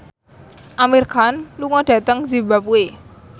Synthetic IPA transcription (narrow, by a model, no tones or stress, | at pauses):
ʔamirkanluŋɔɖ̥ä̤t̪əŋzibapue